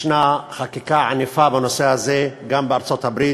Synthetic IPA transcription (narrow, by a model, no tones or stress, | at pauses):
naχakikaʕanifabanosehazeɡambeaɾt͡sot̪abɾi